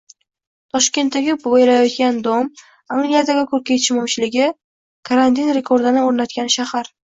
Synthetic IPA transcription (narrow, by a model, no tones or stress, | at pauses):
t̪ʰɒʃkʲe̞nt̪ːaɡʲɪbojlajɒt̪̚kʲand̪om | aŋɡlijad̪aɡʲɪkʰɵɾkʲat͡ʃʰɪmɒmt͡ʃʰɪlɪɡʲɪ | kʰaɾant̪ʰinɾe̞kʰoɾd̪anɪoɾnat̪̚kʲanʃahaɾ